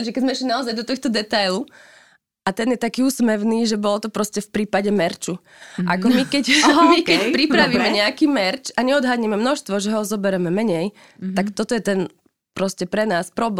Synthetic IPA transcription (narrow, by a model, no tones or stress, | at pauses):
ʒɛkɛɟzmɛɛʃlinaɔzajd̪ɔt̪ɔxt̪ɔd̪ɛt̪ajlu | ʔat̪ɛnjɛt̪akiːuːsmɛʋniːʒɛbɔlɔt̪ɔpɾɔscɛfpɾiːpaɟɛmɛɾt͡ʃu | ʔakɔmikɛcmikɛpɾipɾaʋimɛɲɛakiːmɛɾt͡ʃaɲɛɔd̪ɦadɲɛmɛmnɔʃst̪ʋɔʒɛɦɔzɔbɛɾɛmɛmɛɲɛj | t̪akt̪ɔt̪ɔjɛt̪ɛn | pɾɔscɛpɾɛnaːspɾɔbl